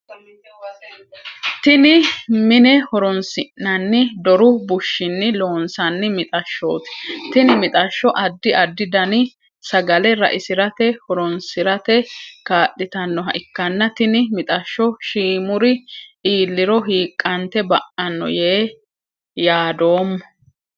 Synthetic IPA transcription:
t̪ɪnɪmɪnɛhɔɾɔnsɪʔɐnːɪd̪ɔɾʊbʊʃːɪnːɪlo̞ːnsɐnːɪmɪt̪ʼɐʃːo̰ːt̪ɪ̥t̪ɪnɪmɪt̪ʼɐʃːɔʔɐd̪ːɪʔɐd̪ːɪd̪ɐnɪ | sɐɡɐlɛɾɐ̰ʔɪsɪɾɐt̪ɛhɔɾɔnsɪɾɐt̪ɛkaːʔːɪt̪ɐnːɔɦɐ̰ʔɪkːɐnːɐt̪ɪnɪmɪt̪ʼɐʃːɔʃiːmʊɾɪiːlːɪɾɔɦiːkʼːɐnt̪ɛbɐʔɐnːɔ̰jeː | jaːd̪o̞ːmːɔ

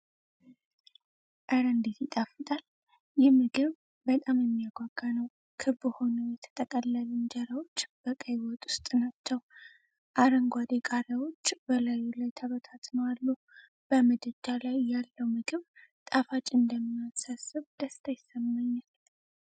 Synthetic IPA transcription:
ʔəɾənd̪it̪jɪt̪ʼafɨt̪ʼal | jɪhmɨɡɨβ | bət̪ʼamjɛmːijaɡʷaɡːanəw | kʰɨbɨho̞nəwjɛt̪ʰə̥t̪ʼəkʼəlːəlɨnd͡ʒəɾawot͡ʃːb̥əkʼəjwɔt̪ʼu̥st̪ʼɨnat͡ʃːɛw | ʔaɾəŋɡʷad̪ekʼaɾəwo̞t͡ʃːbəlajulajt̪ʰaβət̪ʰat̪nəwalːu | b̥əməd̪ɨd͡ʒalajːalːəwmɨɡɨβt̪ʼafat͡ʃʼɨnd̪əmːijasasɨβd̪̥əst̪ʰajɪsːəmːaɲːal

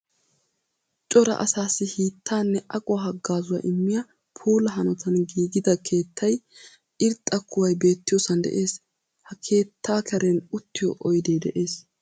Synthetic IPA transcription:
t͡ʃʼɔɾɐ̰ʔɐ̰saːsɪhiːt̪ʰːaːnːɛʔɐkʼʊwɐɦɐɡːaːzʊwɐ̰ʔɪmːɪjɐ | pʰuːlɐɦɐnɔt̪ɐnɡiːɡɪd̪ɐkʰe̞ːt̪ʰːɐj | ʔɪɾt̪ʼːɐkʰːʊwɐjbe̞ːt̪ːɪjɔsɐnd̪ɛ̰ʔe̞ːs | hɐkʰe̞ːt̪ʰːaːkʰɐɾɛnʊt̪ːɪjɔ̰ʔɔjd̪ejd̪ɛ̰ʔe̞ːs

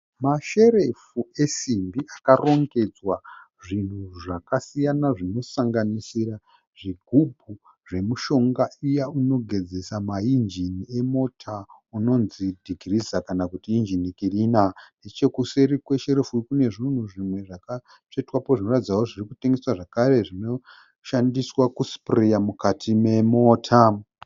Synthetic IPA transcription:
maʃe̞ɾe̞fue̞simbiʔakaro̞ŋɡe̞d͡zwa | ʐin̤uʐakasijanaʐino̞saŋɡanisira | ʐiɡʱubʱu | ʐe̞muʃo̞ŋɡaijauno̞ɡʱe̞d͡ze̞samaind͡ʒinie̞mo̞tʰa | uno̞nzidʱiɡirizakanakutiːnd͡ʒinikirinandet͡ʃe̞kuse̞ɾikwe̞ʃeɾufukune̞ʐin̤uʐimwe̞ʐaka | t͡ʂetwapoʐino̞ratid͡zawoʐirikuteŋɡeswaʐakare̞ʐino̞ | ʃandiswakusprejamukatʰime̞mo̞ːtʰa

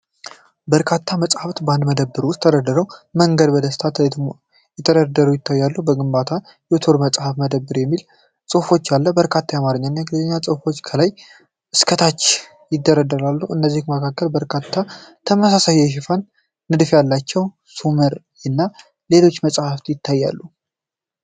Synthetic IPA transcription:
bəɾkʰat̪ʰːaməsʼhaft̪band̪məd̪əbːɨɾwʊst̪ʰːəd̪əd̪ːəɾəwməŋɡəd̪bəd̪əsɨ̥t̪ʰat̪ | jɛt̪ʰəɾəd̪əɾujɪt̪ʰːajːalːubəɡɨmbat̪ʰa | jot̪ʰo̞ɾməsʼhafməd̪əbːɨɾjɛmːil | sʼɨhfo̞t͡ʃːjalːəbəɾkʰat̪ʰːajamaɾɨɲːanːaɡlzəɲːasʼɨhfo̞t͡ʃːkʰəlaj | ʔɨskʰət̪ʰat͡ʃː | jɪd̪ːəɾəd̪ːəɾalːuɨnːəzːihməkʰakːəlbəɾkʰat̪ʰːat̪ʰəməsasajɛʃ̬ɪfanː | ɨd̪fjalːat͡ʃːɛw | suməɾ | ɨnːa | le̞lo̞t͡ʃːməsʼhaft̪jɪt̪ʰːajːa̰lːu

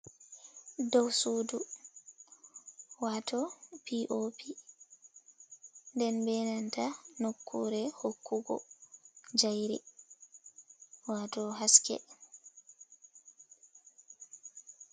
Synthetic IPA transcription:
dɔwsuːdu | waːtʰɔpiʔopʰi | ndɛnbɛnantanokʰːuɾɛhokːuɡɔ̰ | d͡ʒajɾḭ | waːtɔɦaskɛ̰

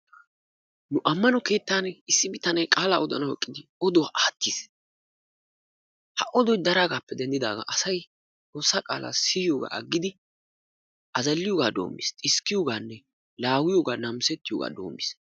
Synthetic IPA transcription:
nʊʔɐmːɐnɔke̞ːt̪ːaːnɪsːɪbɪt̪ːɐnɐjkʼaːlaːɔd̪ɐnɐwɛkʼːɪd̪ɪɔd̪ɔwaʔaːt̪ːis | hɐʔɔd̪ɔjd̪ɐɾaːɡaːpːɛd̪ɛnd̪ɪd̪a̰ːɡa̰ːʔɐsɐj | t͡sʼoːsːaːkʼa̰ːlʔa̰ːsɪjɪjoːɡa̰ːʔɐɡːɪd̪ɪ | ʔɐzɐlːɪjoɡaːd̪o̞̰ːmːɪ̰st̪ʼɪskːɪjoːɡaːnːɛ | laːwɪjoːɡaːnɐmsɛt̪ːɪjoːɡa̰ːd̪o̞̰ːmːɪ̰s

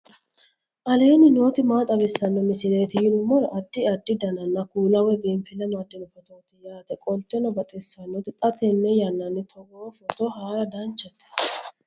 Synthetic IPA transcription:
ʔɐle̞ːnɪno̞ːt̪ɪmaːt̪ʼɐbɪsːɐnːɔmɪsɪleːt̪ɪjɪnʊmːɔɾɐʔɐd̪̥ːɪɐd̪ːɪd̪ɐnɐnːɐkuːlɐwɛbeːɱfɪlɛmɐd̪ɪnɔfɔt̪oːt̪ɪjaːt̪ɛkʼɔlt̪ɛnɔbɐt̪ʼɛsːɐnːɔt̪ɪt̪ʼɐt̪ɛnːɛjɐnːɐnːɪt̪ʰɔɡofɔt̪ɔhaːɾɐd̪ɐnt͡ʃːɛt̪ːɛ̥

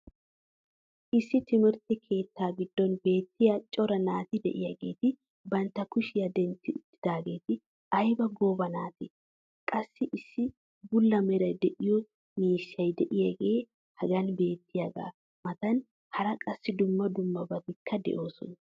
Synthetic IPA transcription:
ʔɪsːɪt̪ɪmɪɾt̪ɪkʰe̞ːt̪ʰːaːɡɪd̪̥ːɔnbe̞ːt̪ːɪjat͡ʃʼɔɾɐnaːt̪ɪd̪ɛ̰ʔɪjɐɡe̞ːt̪ɪ | bɐnt̪ːɐkʊʃɪjɐd̪ɛnt̪ːɪʊt̪ːɪd̪aːɡe̞ːt̪ɪ | ɐjbɐɡoːbɐnaːt̪ɪ | kʼɐsːɪʔɪsːɪ | bʊlːɐmɛɾɐjd̪ɛʔɪjɔ | miːʃːɐjd̪ɛʔɪjɐɡe̞ː | hɐɡɐnbe̞ːt̪ːɪjaɡa̰ː | mɐt̪ɐn | hɐɾɐkʼɐsːɪd̪ʊmːɐd̪ʊmːɐbɐd̪ɪkʰːɐd̪ɛ̰ʔo̞ːsɔ̰n

